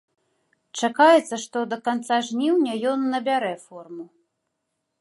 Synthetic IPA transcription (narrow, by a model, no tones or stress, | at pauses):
t͡ʂakajɛt̪sːɐʂt̪ɔd̪ɐkant̪saʐnʲiwnʲɐjɔnːɐbʲaɾɛfɔrmu